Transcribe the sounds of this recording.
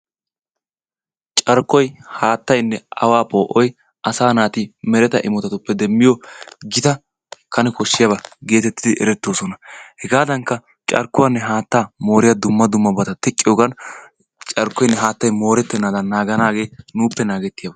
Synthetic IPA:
t͡ʃʼɐɾkːɔjhaːt̪ːɐjnːɛɐ̰waːpʼo̞ːʔɔj | ʔɐsaːnaːt̪imɛɾɛt̪ɐʔɪmɔt̪ɐt̪ʊpːɛd̪ɛmːɪjoɡɪt̪ɐ | kɐnɛkɔʃːɪjɐbɐɡe̞ːt̪ɛt̪ːɪd̪ɪʔɛ̰ɾɛt̪ːoːsɔnɐhɛɡaːd̪ɐŋkːɐ | t͡ʃʼɐɾkːʊwanːɛɦaːt̪ːaːmo̞ːɾɪjɐd̪ʊmːɐd̪ʊmːɐbɐt̪ɐt̪ɛkʼːɪjoːɡɐn | t͡ʃʼɐɾkːɔjnːɛɦaːt̪ːɐjmo̞ːɾɛt̪ːɛnːaːd̪ɐnːaːɡɐnaːɡe̞ːnuːpːɛnaːɡɛt̪ːɪjɐbɐ

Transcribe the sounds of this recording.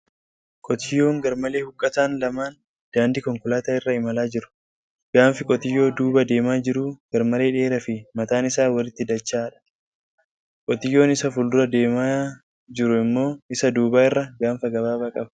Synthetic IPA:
kʼɔt̪ɪjːoːŋɡɐɾmɐle̞ːhʊkʼːɐt̪aːnlɐmaːn | d̪̥aːnd̪ɪkɔŋkʊlaːt̪aːɪrːɐɪmɐlaːd͡ʒɪɾʊ̥ | ɡ̥aːnfɪkʼɔt̪ɪjːo̞ːd̪uːbɐd̪e̞ːmaːd͡ʒɪɾuːɡ̥ɐɾmɐle̞ːᶑe̞ːɾɐfɪmɐt̪aːnɪsaːwɐlɪt̪ːɪd̪ɐt͡ʃːaːᶑɐ̥ | kʼɔt̪ɪjːo̞ːnɪsɐfʊld̪ʊɾɐd̪e̞ːmaː | d͡ʒɪɾʊɪmːo̞ːɪsɐd̪uːbaːɪrːɐɡaːnfɐɡɐbaːbɐkʼɐb

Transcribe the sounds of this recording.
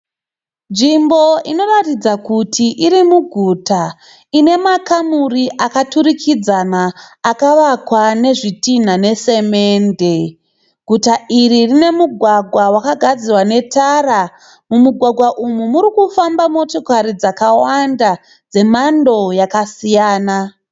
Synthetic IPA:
nd͡ʒimbo̞ino̞ratid͡zakutʰiʔiɾimuɡʱuta | ine̞makamuriʔakatuɾikʰid͡zanaːkaʋakwane̞ʐitin̤ane̞se̞meːnde | ɡʱutaʔiɾirine̞muɡʱwaɡʱwawakaɡʱad͡zirwane̞tara | mumuɡʱwaɡʱwaʔumumuɾikufambamo̞to̞kaɾid͡zakawanda | d͡ze̞mando̞jakasijaːna

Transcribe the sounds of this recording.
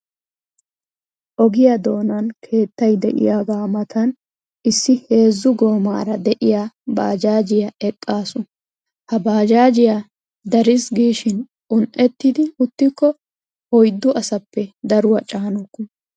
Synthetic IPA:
ʔɔɡɪjɐd̪o̞ːnɐnkʰe̞ːt̪ːɐjd̪ɛ̰ʔɪ̰jaːɡaːmɐt̪ʰɐn | ʔɪsːɪhe̞ːzːʊɡo̞ːma̰ːɾɐd̪ɛʔɪjaːba̰ːd͡ʒaːd͡ʒɪjɐɛkʼːaːsʊ | hɐbaːd͡ʒaːd͡ʒɪja | d̪ɐɾɪsɡiːʃɪn | ʊnʔɛt̪ːɪd̪ɪʊt̪ːɪkːɔ | hɔjd̪ːʊʔɐsɐpːɛd̪ɐɾʊwɐt͡ʃʼaːnɔkːɔ

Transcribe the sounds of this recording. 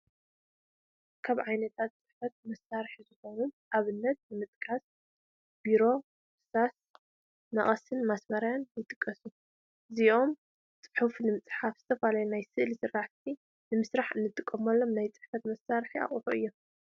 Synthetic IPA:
kʰaβʕajnɐt̪ʰat̪̚t͡sʼɨħfɐt̪̚mɐsːaɾħizɨxo̞nunʔaβɨnːɐt̪̚nɨmɨt̪ʼkʰʼas | b̥iɾo̞ | ɨsas | nɐχʼɐsɨnmasmɐɾajanjɨt̪ʼɨkʼːɐsu | ɨziʔo̞m | t͡sʼɨ̥ħufnɨmɨt͡sʼħafz̥ɨt̪ʰɐfalajunajsɨʔlisɨraʕt̪ʰi | nɨmɨsɾaħɨnːɨt̪ʰːɨkʼːɐmɐlːo̞mnajt͡sʼɨ̥ħfɐt̪mɐsːaɾħia̰χʼħuɨ̰jːo̞

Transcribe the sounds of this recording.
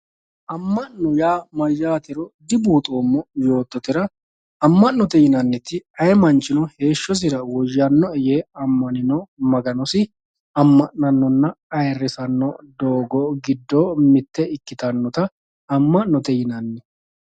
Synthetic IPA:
ʔɐmːɐʔnɔjaːmɐjːaːt̪ɛɾɔd̪ɪbuːt̪ʼoːmːɔjo̞ːt̪ːɔt̪ɪɾɐ | ɐmːɐnːɔt̪ɛjɪnɐnːɛt̪ːɪɐjɛmɐnt͡ʃːɪnɔhe̞ːʃːɔs̬ɪɾɐwɔjːɐnːɔɛjeːɐmːɐnɪnɔmɐɡɐnɔsɪ | ɐmːɐʔɐnːɔnːɐɐjrːɛsɐnːɔd̪oːɡɔɡɪd̪ːoːmɪt̪ːɛɪkːɪt̪ɐnːɔt̪ɐ | ɐmːɐnnːɔt̪ɛjɪnɐnːɛ

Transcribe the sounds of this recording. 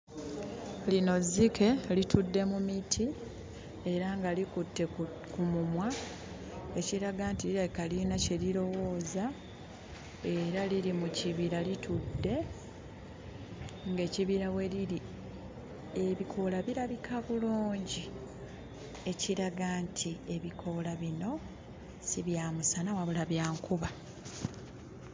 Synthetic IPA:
lino̞zːikʰe̞litudːe̞mumitʰi | e̞ɾaŋɡalikutːe̞ | kumumwa | e̞ciɾaɡaːntiliɾaβikalinace̞liɾo̞wo̞ːza | e̞ɾaliɾimuciβiɾalitʰudːe̞ | ŋɡe̞ːciβiɾaweliɾi | eβikʰo̞laβiɾaβikʰaβuluːɲɟi | e̞ciɾaɡaːntʰie̞βikʰo̞laβino̞ | siβjaːmusanawaβulaβjaːŋkuβa

